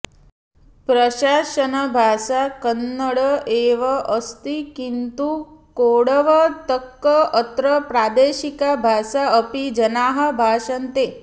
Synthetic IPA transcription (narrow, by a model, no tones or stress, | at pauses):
pɾɐʃaːʃɐnɐbʱaːʃakənːəɽəeːʋɐʔəst̪ikint̪ukoːɽɐʋɐt̪əkːəət̪ɾəpɾaːd̪eːʃikabʱaːʃaəpid͡ʒɐnaːɦɐ̆bʱaːʃɐnt̪eː